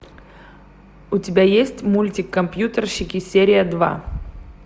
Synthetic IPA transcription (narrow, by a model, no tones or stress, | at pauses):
ʊtʲɪbʲajesʲtʲmulʲtʲɪkːɐmpʲjut̪ərɕːɪkʲɪsʲeɾʲɪjəd̪va̰